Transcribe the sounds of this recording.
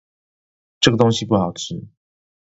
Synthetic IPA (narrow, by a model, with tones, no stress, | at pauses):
ʈ͡ʂɤ˥˩ɡə˩t̪o˥ŋɕi˧pu˥˩xɑ˨˩ʊt͡ɕ̩ʰ˥˩